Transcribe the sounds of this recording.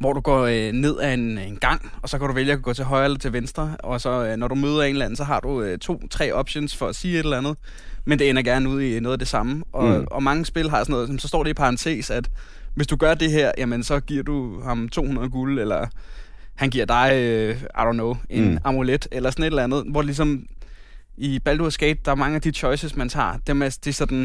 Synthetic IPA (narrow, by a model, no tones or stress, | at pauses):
ʋɒd̥uɡ̥ɒ̰ne̝ð̞̰ˠæenenɡ̥ɑ̈ŋ̰ɒ̽sɒ̽kʰæɾ̥uʋeljəæɡ̥ɔ̰ːt͡sʰe̝ɦɒ̽ɪɐelɐt͡sʰe̝lʋensd̥ʁɐɒ̽sɒ̽nɒɾ̥umøːð̞ˠɐe̝ːnlænn̩sɒ̽ɦɑ̈d̥uøt͡sʰo̝̰ːt͡sʰʁɛ̰ːɒ̽b̥ɕo̝̰nsfɒ̽æsiːe̝ɾ̥elænð̞̩ˠ | mend̥e̝enɐɡ̥æɐnəuð̰ˠino̽ːð̩ˠæd̥e̝sɑ̈məʔɒ̽ɒ̽mɑ̈ŋəsb̥e̝lɦɑ̈sɒnɔ̽ːðˠsmsɒ̽sd̥ɒ̰ːɾ̥eipʰɑ̈ʁɑnt͡sʰe̝̰ːsæd̥ | ʋe̝sd̥uɡ̥ɶɐd̥e̝ɦeɐ̰jʔæmənsɒ̽ɡ̥iɐ̰d̥uhɑ̈mt͡sʰo̝̰ːunɐð̞̩ˠəɡ̥uləelɐ | hænɡ̥iɐ̰d̥ɑ̈ɪɑ̰̈ɪɾo̰nːoʊe̝nɑ̈muled̥elɐsɒ̽ne̝d̥lænð̩ˠʋɒ̥lis̬ɒ̽m | ʔib̥æld̥uæsɡ̥ḛːd̥̚d̥ɑ̈æɐmɑ̈ŋəæd̥it͡ɕʰɒ̽ɪsəsmænsʰɑ̰̈ːd̥emed̥esɒ̽d̥n̩